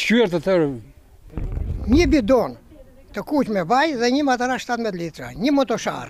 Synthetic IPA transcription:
t͡ʃyɛɾt̪ət̪əɾ | ɲəbid̪ɔn | t̪əkucmɛvajðɛɲəmat̪əɾaʃt̪at̪mɛt̪lit̪ɾaɲəmɔt̪ɔʃa̰ɾ

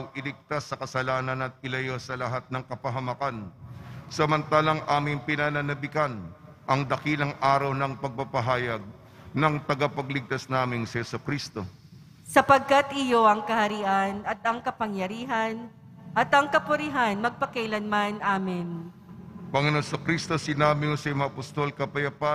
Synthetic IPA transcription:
ɐwʔɪlɪk̚t̪asːɐkɐsɐlaːnɐnɐt̪̚ɪlɐjo̞sɐlɐɦat̪̚nɐŋkɐpɐɦɐmɐkansɐmɐnt̪aːlɐŋʔaːmɪŋpɪnananɐbɪkan | ʔɐŋd̪ɐkilɐŋʔaːɾɐwnɐŋpɐɡ̚papɐɦaːjɐɡ̚ | nɐŋt̪ɐɡapɐɡlɪɡ̚t̪asnaːmɪnsɐhɛsukɾist̪o̞ | sɐpɐɡ̚kat̪ʔɪjoʔɐŋkɐhɐɾiʔɐnɐt̪̚ɐŋkɐpɐŋjɐɾiːɦɐn | ʔɐt̪ɐŋkɐpʊɾɪɦanmɐɡ̚pɐkɛjlɐnmanʔaːmɪn | pɐŋɛno̞nsɐkɾist̪osɪnaːmɪŋosɐjmaʔɐpɐst̪o̞lkɐpɐjɐpa

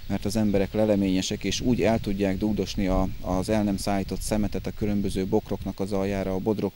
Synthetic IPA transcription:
mɛrt̪ɒzɛmbɛɾɛklɛlɛmeːɲɛʃɛkeːʃuːɟɛlt̪uɟːaːɡd̪uɡd̪o̞ʃniɒːzɛlnɛmsaːjit̪o̞t̪sɛmɛt̪ɛt̪ɒkylø̞mbø̞zøːbo̞kro̞knɒkɒzɒljaːɾɒːbo̞d̪ro̞k

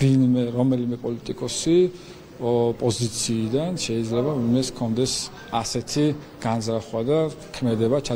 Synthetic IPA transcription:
vinmɛɾɔmɛlimɛpʼɔlit̪ʼikʼɔsi | pʼɔzit̪sʰiːd̪anʃɛid̪zlɛbavinmɛskʰɔnd̪ɛs | asɛt̪ʰi | ɡ̥anzɾaχwad̪a | kʰmɛd̪ɛbat͡ʃʰa

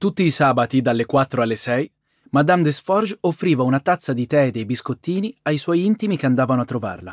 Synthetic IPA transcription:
t̪ut̪ːiːsaːbat̪id̪alːekwat̪ːɾoalːesɛj | mad̪amd̪esfɔrʒofːɾiːvaunat̪at̪sːad̪it̪ɛd̪eːbiskot̪ːiːniajswɔjint̪imikeand̪aːvanoat̪ːɾova̰rla

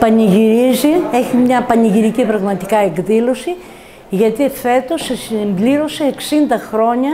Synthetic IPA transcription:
pɐniʝiɾizie̞çimɲɐpɐniʝiɾicipɾɐɣmɐt̪i̥kɐe̞kðilo̞si | ʝɐt̪iefθe̞t̪o̞sesimbliɾo̞seːksind̪ɐxɾo̞ɲɐ

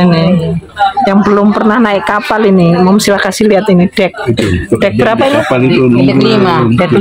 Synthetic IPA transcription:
ni | jaŋbəlʊmpərnahnaɪkkapalinimamsilahkasɪliat̪inid̥ɛk̪̚ɖ̥ɛk̚bəɾapaini | imadɛk

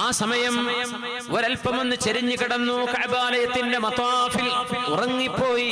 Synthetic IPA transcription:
aːsɐmɐjɐm | oɾɐlpɐmonːɨt͡ɕeɾiɲːukiɽɐnːukɐʕbaːlɐjɐt̪ːinde̞mɐt̪waːfilurɐŋːipːo̞ːji

